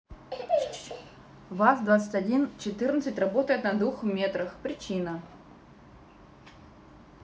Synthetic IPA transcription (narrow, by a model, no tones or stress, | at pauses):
vasd̪vat̪sɨ̥tʲɐdʲint͡ɕɪt̪ɨrnət̪sɨtʲrɐbo̞t̪əjɪt̪nɐd̪vuxmʲet̪ɾəxpɾʲɪt͡ɕinə